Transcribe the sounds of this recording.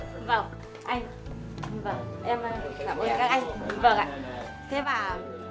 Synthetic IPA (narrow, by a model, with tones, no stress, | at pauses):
vaː˨˩w | ʔa˧jŋ̟˨ | vəː˨˩ʔɛ˧m˧kaː˧˩mʔə˧˩kaː˦˥k̚ʔa˧jŋ̟˨˧vəː˨˩ka̰ː˧˨ | t̪ʰe˨˦vaː˨˩